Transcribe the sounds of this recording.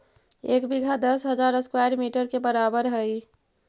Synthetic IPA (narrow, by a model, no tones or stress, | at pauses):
eːkbiɡʱad̪əsɦəd͡ʒaːɾəskwajɾmiʈəɾkebəɾaːbəɾɦəi